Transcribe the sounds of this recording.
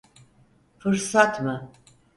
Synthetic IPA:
fɯɾsat̪mɯ

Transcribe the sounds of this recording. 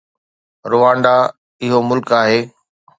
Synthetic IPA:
ɾʊʋãːɳɖa | ɪɦomʊlkaːɦeː

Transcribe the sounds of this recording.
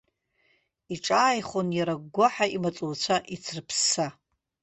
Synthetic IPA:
iʈ͡ʂʼaːjχonjaɾaɡʷːaħaimat͡sʼuwt͡ɕʷʰaʔit͡sʰrpʰsa

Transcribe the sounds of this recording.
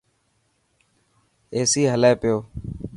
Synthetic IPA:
eːsiːɦəleːpɪjoː

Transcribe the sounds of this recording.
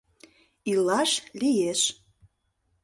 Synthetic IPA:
ilɑʃlijeʃ

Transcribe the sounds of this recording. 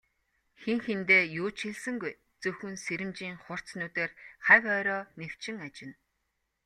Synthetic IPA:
xeŋxent̪eːjʊːt͡ɕxeɮsɘ̆ŋɡuj | t͡sɵxɵ̆nseɾɘ̆mt͡ɕiːŋχʊr̥t͡snuːt̪eːrχækœːɾɔːnew̥t͡ɕɪ̆ŋat͡ɕɪ̆n

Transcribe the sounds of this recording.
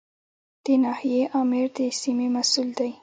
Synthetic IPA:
d̪̥ənɑhijeʔɑmɪɾd̪əsimemasuld̪aj

